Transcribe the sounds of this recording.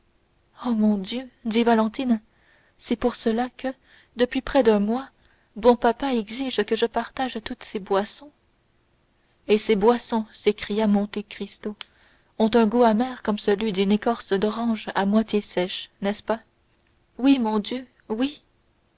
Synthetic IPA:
omɔ̃d̪jød̪ivalɑ̃t̪in | sɛpuʁsəlakʰə | d̪əpɥipχɛd̪œ̃mwa | bɔ̃papaɛɡziʒkəʒəpaʁt̪aʒt̪ut̪sebwasɔ̃ | esebwasɔ̃sekχijamɔ̃t̪ekχist̪o | ɔ̃t̪ɛ̃ɡuamɛːʁkɔmsəlɥid̪ynekɔʁsd̪ɔʁɑ̃ʒa̰mwat̪jesɛʃnɛspa | wimɔ̃d̪jø | wi

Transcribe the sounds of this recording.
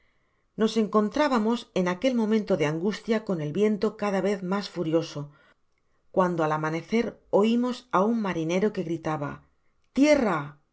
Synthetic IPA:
no̞se̞ŋko̞nt̪ɾaβamo̞se̞nake̞lmõ̞mẽnt̪o̞ðeaŋɡust̪jako̞ne̞lβje̞nt̪o̞kaðaβe̞θmasfuɾjo̞so | kwand̪o̞alamane̞θe̞ɾo̞imo̞sauŋmaɾine̞ɾo̞ke̞ɣɾit̪aβa̰ | t̪je̞ra

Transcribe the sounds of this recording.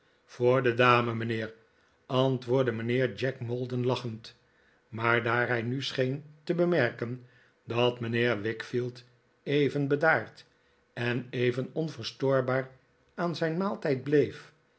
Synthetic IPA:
foːɹdədaːməməneːɹ | ɑntʋʊːɹdəməneːɹd͡ʒɛkmolˠdənlɑχənt | maːɹdaːɹɦɛjnysχejntəbəmɛɹkən | dɑtməneːɹʋɪkfilˠt | ejvənbədaːɹt | ɛnejvənɔnvəɹstoːɹbaːɹ | aːnzɛjnmaːlˠtɛjd̚blejf

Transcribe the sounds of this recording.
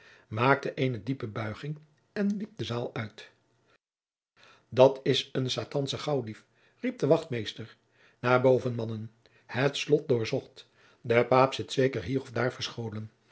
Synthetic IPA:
maːk̚təʔeɪnədipəbœɥχɪŋ | ɛnlip̚dəzaːlˠœɥt | dɑtʰɪsənsaːtɑnsəχɑwdif | rip̚dəʋɑχtmejstəɹ | naːɹbowvənmɑnən | hətslɔt̚dʊːɹzɔχt | dəpaːpsɪtsejkəɹɦiːɾɔvdaːɹvəɹsχowlən

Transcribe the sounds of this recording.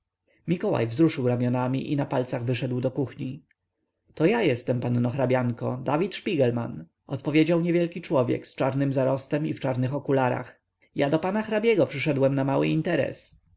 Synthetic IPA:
mʲikɔwa̰jvzɾuʂɘwɾamʲjɔnamʲḭʔḭnapalt̪saɣvɘʂɛd̪wd̪ɔkuxɲi | t̪ɔjajɛst̪ɛmpannɔxɾabʲjaŋkɔd̪avʲit̪ʂpʲiɡɛlma̰n | ɔt̪pɔvʲjed͡ʑawɲevʲjɛlkʲit͡ʂwɔvʲjɛ̰kst͡ʂaɾnɘmzaɾɔst̪ɛmift͡ʂaɾnɘxɔkulaɾa̰x | jad̪ɔpanaxɾabʲjɛɡɔpʂɘʂɛd̪wɛmnamawɘ̰int̪ɛɾɛ̰s

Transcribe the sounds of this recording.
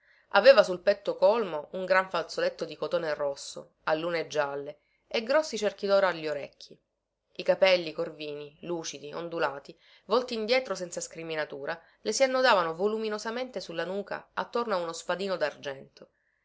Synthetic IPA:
aveːvasulpɛt̪ːokɔlmouŋɡɾaɱfalt̪solet̪ːod̪ikot̪oːnerɔsːo̰ | alːuːned͡ʒːalːe | eɡɾɔsːit͡ʃerk̟id̪ɔːɾiaʎːioɾekʰːi | ikapɛlːikorviːniluːt͡ʃid̪io̰nd̪ulaːt̪i | vɔlt̪iːnd̪jɛːt̪ɾosɛnsaskɾiminat̪uːɾʔa | lesianːod̪aːvanovoluminozament̪esulːanuːka̰at̪ːornoaunospad̪iːnod̪ard͡ʒɛnt̪o

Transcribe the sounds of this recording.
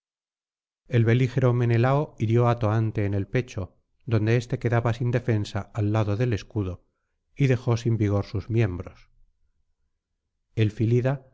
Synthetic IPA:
e̞lβe̞lixe̞ɾo̞me̞ne̞laoiɾjo̞at̪oant̪e̞ːne̞lpe̞t͡ʃo̞ | ðo̞nd̪e̞est̪e̞ke̞ðaβasind̪e̞fe̞nsaːlːaðo̞ðe̞le̞skuðo | iðe̞xo̞simbiɣ̞o̞ɾsuzmje̞mbɾo̞s | e̞lfiliða

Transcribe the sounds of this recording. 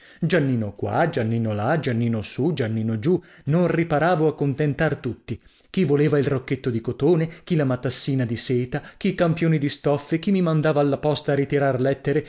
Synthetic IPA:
d͡ʒanːiːnokwa̰d͡ʒanːiːnolad͡ʒanːiːnosud͡ʒanːiːnod͡ʒu | nonripaɾaːvoakːont̪ent̪art̪ut̪ːi | k̟ivoleːvailrokːet̪ːod̪ikot̪oːnek̟ilamat̪ːasːiːnad̪iseːt̪ak̟iːkampjoːnid̪ist̪ɔfːek̟imːimand̪aːvaːlːapɔst̪aːrit̪iɾarlɛt̪ːeɾe

